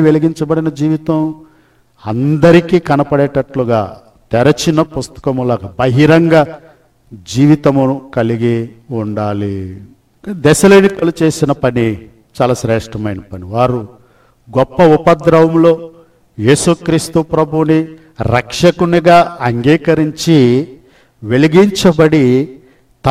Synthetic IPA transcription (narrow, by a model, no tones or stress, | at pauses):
ʋeliɡiɲt͡ʃɐbɐɽinɐd͡ʒiːʋit̪ɐm | ɐnd̪ɐɾikiːkɐnɐpɐɽɛːʈɐʈluɡa̰ː | t̪ɛɾɐt͡ʃinɐpust̪ɐ̥kɐmulaːɡɐbɐɦiɾɐŋɡa | d͡ʒiːʋit̪ɐmuukɐliɡiuɳɖaːli | d̪ɛʃɐleːnikɐlut͡ʃe̞ːsinɐpɐni | t͡ʃaːlaːʃɾɛːʂʈɐmɐjnɐpɐniʋaːɾu | ɡɔpːɐupɐd̪ɾɐʋɐmlo̞ː | jeːsukɾiːst̪upɾɐbʱuːni | ɾɐkʂɐkuniɡaːɐŋɡiːkɐɾiɲt͡ʃi | ʋe̞liɡiɲt͡ʃɐbɐɽi | t̪ɐ